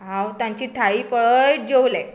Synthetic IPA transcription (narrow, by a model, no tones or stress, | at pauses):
ɦãwt̪jãɲt͡ɕiːt̪ʰaiːpəɭəjd͡ʑewle